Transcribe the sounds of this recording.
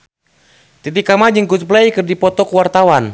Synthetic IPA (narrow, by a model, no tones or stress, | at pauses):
t̪it̪ikamad͡ʒɨŋkut̪p̬laikɨrdipɔt̪ɔkuwart̪awan